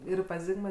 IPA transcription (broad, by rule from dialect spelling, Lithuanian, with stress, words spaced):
ˈɪr pɐs ˈzʲɪɡmɐ